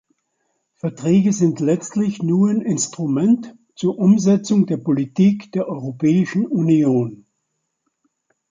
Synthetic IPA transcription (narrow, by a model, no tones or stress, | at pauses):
fɛɐtʁ̥ɛːɡəzɪntlɛt͡stlɪçnuːɐanɪnstʁ̥umɛnt | t͡suːɐʔʊmzɛt͡sʊŋdeːɐpolitiːkd̥eːɐʔɔʏʁopʰɛːɪʃn̩unioːn